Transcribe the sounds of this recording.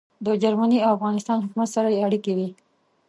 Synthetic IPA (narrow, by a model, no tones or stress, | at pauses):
d̪əd͡ʒaɾmaniaafɣɑnɪst̪ɑnɦʊkumat̪saɾajeaɽikewi